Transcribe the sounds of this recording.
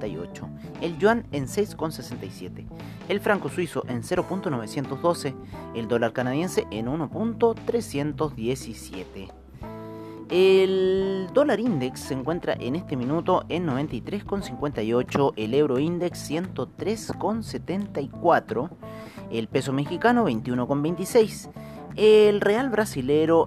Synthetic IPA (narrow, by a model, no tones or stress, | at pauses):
ajo̰t͡ʃo̰ | elʝwanense̞jsko̞nsesent̪ajsje̞t̪e | elfɾaŋko̞swisoʔe̞nse̞ɾo̞punt̪ono̞β̞e̞sje̞nt̪ozðo̞se̞ | eld̪o̞laɾkanaðje̞nseʔenuno̞punt̪o̞t̪ɾesje̞nt̪o̞zðje̞sisjet̪e | eld̪o̞laɾind̪eksːeŋkwe̞nt̪ɾa̰ʔenest̪e̞mĩnut̪o̞ʔenːo̞β̞e̞nt̪ajt̪ɾe̞sko̞nsiŋkwe̞nt̪ajo̞t͡ʃo̞ʔele̞wɾoind̪e̞ksːje̞nt̪ot̪ɾesko̞nset̪e̞nt̪aikwat̪ɾo̞ | elpe̞so̞me̞xikanoβe̞jnt̪iuno̞ko̞mbe̞jnt̪isejselre̞alβɾasileɾo